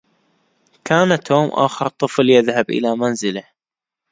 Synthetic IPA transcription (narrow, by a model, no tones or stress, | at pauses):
kʰaːnat̪ʰoːmʔa̰ːxɑɾt̪ˤɨfljɪðhabʔɪ̰lamanzɪla